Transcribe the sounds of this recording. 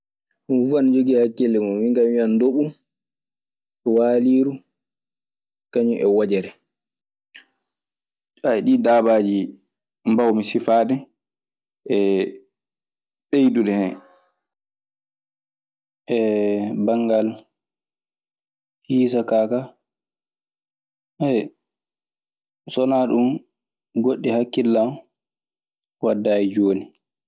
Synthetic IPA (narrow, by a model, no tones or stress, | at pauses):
vand͡ʒoɡihakːɛlːɛmɔwiŋɡamwiandoɓu | waːliːɾu | kaɲuʔɛwad͡ʒɛɾɛ | aɗiːdaːbaːd͡ʒi | mbawmisifaːɗɛ | ʔɛ | ɗejduɗɛhɛ | ʔɛbaŋɡal | hiːs̬akaːka | ʔɛ | sɔnaːɗum | ɡoɗːihakːilːam | wadːajɛd͡ʒoːni